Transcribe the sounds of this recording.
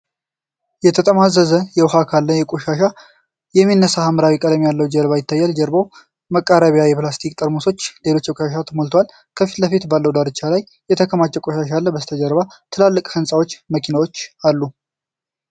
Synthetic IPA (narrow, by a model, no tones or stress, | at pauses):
jɛt̪ʰət̪ʼəmazəzəjɛwhakʰalːəjɛkʼoʃaʃa | jɛmːinːəsahaməɾawikʼəd̪əmjalːəwd͡ʒɛɾβajɪt̪ːajːɛld͡ʒəɾbəw | məkʼːaɾəβjajɛplast̪ʰikʼt̪ʼəɾmoso̞t͡ʃːle̞lo̞t͡ʃːjɛkʷʼoʃaʃ̬at̪ʰəmolt̪ʰwal | kʰəfi̥t̪ləfit̪balːəwd̪aɾɨt͡ʃːalajːjɛt̪ʰəkʰəmat͡ʃʼːɛkʼoʃaʃalːəbəst̪ʰəd͡ʒəɾβat̪ʰɨlalːɨkʼhɨnsʼawo̞t͡ʃːməkʰinawo̞t͡ʃːalːu